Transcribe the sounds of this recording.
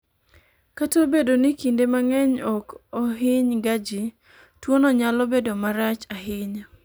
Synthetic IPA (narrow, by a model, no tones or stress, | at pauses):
katobedonikindemaŋɛɲɔkɔɦɪɲɡad͡ʒɪ | twonɔɲalɔbedomaɾat͡ʃaɦɪɲ